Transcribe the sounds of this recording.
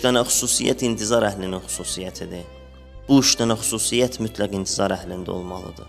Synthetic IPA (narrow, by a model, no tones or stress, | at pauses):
d̪ænæxu̥suːsḭjæ̰t̪int̪ʰizɑɾæhlininxu̥suːsijæt̪ʰid̪i | b̥uiʃd̪ænæxu̥suːsijæt̪ʰmyt̪ʰlæɡint̪ʰizɑɾæhlind̪æ̰o̞̰lˠmɑlˠɯ̰d̪ɯ